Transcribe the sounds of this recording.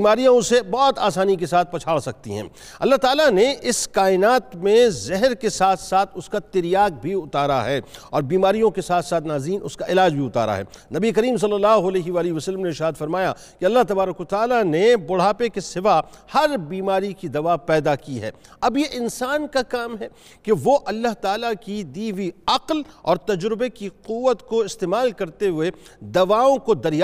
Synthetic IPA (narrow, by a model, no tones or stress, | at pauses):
maːɾijõsebɔːt̪aːsaːnik̬esaːt̪̚ʰpɐt͡ʃʰaːɽsɐk̚t̪ḭɦɛ̰̃ː | ɐ̰lːaɦt̪aːlaneɪskaːɪnaːt̪mẽzɛɦɾkesaːt̪ʰsaːt̪ʰʊskat̪ɪɾijaːk̚bʱiʊt̪aːɾaɦɛːɔːɾbiːmaːɾijõkesaːt̪ʰsaːt̪ʰnaːzɾiːnʔʊ̰skaʔɪlaːd͡ʒbʱiʊt̪a̰ːɾa̰ɦɛ̰ːnɐbiekɐɾiːms̬ɐlːɐlːaːɦoɐlɛːɦeʋaːliɦʋɐsəlːəmneɪʃaːd̪fɐɾmaːja | keɐlːaɦt̪ɐbaːɾəkʋɐt̪aːlanebʊɽ̤aːpekesɪʋahɐɾbiːmaːɾikid̪ɐʋapɛːd̪akiɦɛ̰ː | ɐbjeʔɪnsaːnkakaːmɦɛː | keʋoʔɐlːaɦt̪aːlakid̪iːʋiɐqlɔːɾt̪ɐd͡ʒɾɪbekiquʋːət̪koɪst̪eːmaːlkɐɾt̪eɦʊed̪ɐʋaːõkod̪ɐɾj